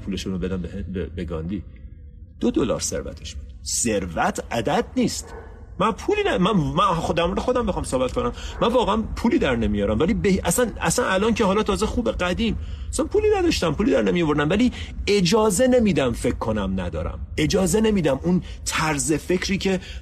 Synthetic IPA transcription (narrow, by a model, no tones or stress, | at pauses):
pʰuːle̞ʃunobe̞d̪æmbeheebeɡɒ̰nd̪iː | d̪̥od̪olɒ̰ːɾseɾvæ̰t̪ʰeʃb̥u̥d̪̥seɾvæt̪ʰæd̪æd̪̚niːst̪ | mænpʰuliːnæmæmæd̪æɾmoɾd̪xo̞d̪æmbexɒɑːmsoːbæt̪̚kʰo̞næmmænvɒːɣeænpʰuːliːd̪æɾne̞mijɒːɾæmvæliːbehiʔæsænæ̰sænælɒːncʰeɦɒːlɒːt̪ʰɒːzexuːbe̞ɢæd̪iːmæsænpʰuːliːnæd̪ɒʃt̪æmpʰuːliːd̪æɾnemijovoɾd̪æmvæliː | e̞d͡ʒɒːze̞ne̞miːd̪æmfe̞kʰːonæmnæd̪ɒ̰ːɾæ̰me̞d͡ʒɒːze̞ne̞miːd̪æmun | t̪ʰæɾze̞fe̞cʰɾiːcʰe